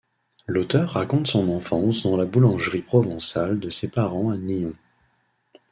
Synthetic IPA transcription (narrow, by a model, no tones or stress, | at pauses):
lot̪œʁːakɔ̃t̪sɔ̃nɑ̃fɑ̃sd̪ɑ̃labulɑ̃ʒʁipχɔvɑ̃sald̪əsepaʁɑ̃aniɔ̃